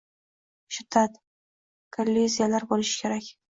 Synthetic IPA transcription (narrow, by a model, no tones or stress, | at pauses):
ʃɪd̪at̪ | kʰolʲːizijalaɾbolɪʃɪ̥kʲʰe̞ɾakʲ